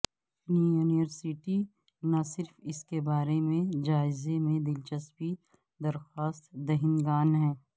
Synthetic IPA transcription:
nijuːnɪʋəɾsiʈi | nasɪɾfɪskebaːɾemẽd͡ʒaːɪzemẽd̪ɪlt͡ʃəspi | d̪ɐɾxaːst̪d̪ɐɦɪnɡaːnɦɛ̃ː

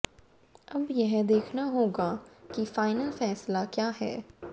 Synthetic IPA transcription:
ɐbjɐɦd̪eːkʰnaɦoːɡaːkifaːɪnəlfɛːslakjaːɦɛ̰ː

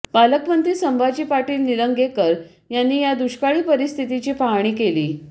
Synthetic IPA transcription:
baləkpənt̪iːsəmbʱat͡ɕiːpaʈiːlniɾəŋɡekəɾ | janːiːjad̪uɕkaɭiːpəɾist̪ʰit̪it͡ɕiːpaɦɳ̃iːkeliː

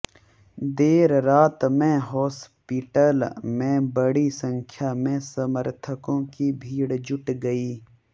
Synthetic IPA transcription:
d̪eːɾɾaːt̪mẽɦɔːspiʈəlmẽbəɽisə̃ŋkʰjaːmẽsəməɾt̪ʰəkõkibʱiːɽd͡ʒʊʈɡəiː

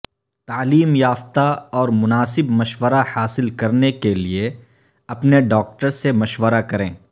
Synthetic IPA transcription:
t̪aːliːmjaːft̪aɔːɾmʊnaːsɪbmɐʃwəɾahaːsɪlkɐɾnekelie | ɐpneɖɔːk̚ʈəɾsemɐʃwəɾakɐɾẽː

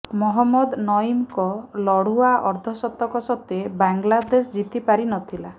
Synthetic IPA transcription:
mɔɦɔmːɔd̪nɔimkɔlɔɽ̤uaʔɔɾd̪ʱɔsɔt̪ɔkɔsɔt̪ebaŋɡlad̪esd͡ʒit̪ipaɾinɔt̪ʰila

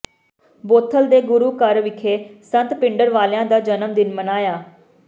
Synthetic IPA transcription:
boːt̪ʰːəld̪eːɡʊɾuːkəɾʋɪkʰeːsənt̪pɪ̃ɳɖəɾʋaːljãːd̪aːd͡ʒənəmd̪ɪnmənaːjaː

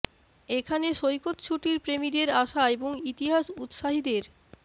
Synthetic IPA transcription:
ekʰaneʃojkot̪t͡ɕʰuʈiɾpɾemid̪eɾaʃaeboŋit̪iɦaʃut̪ʃaɦid̪eɾ

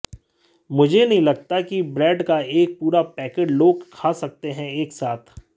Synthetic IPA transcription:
mʊd͡ʒʱenɐɦĩlɐɡ̚t̪akibɾɛːɖkaeːk̚puːɾapɛːkeːɖloːɡkʰaːsɐk̚t̪eɦɛ̃eːksaːt̪ʰ

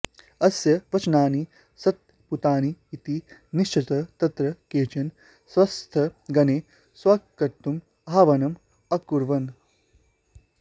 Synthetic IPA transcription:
ɐsjɐʋɐt͡ʃnaːni | sɐt̪̚ | put̪aːniːt̪iniʃt͡ʃʰɐt̪ɐt̪ɐt̪ɾɐkeːt͡ʃɐn | sʋɐst̪ʰɐɡɐneː | swɐkkɐɾt̪ːum | ɦaːʋɐnɐm | ɐkuɾʋɐn

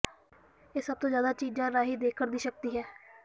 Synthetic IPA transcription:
eːsəb̚t̪õːzjaːd̪aːt͡ʃiːd͡ʒãːɾaːɦiːd̪eːkʰːəɾd̪iːʃək̚t̪iːɦɛː

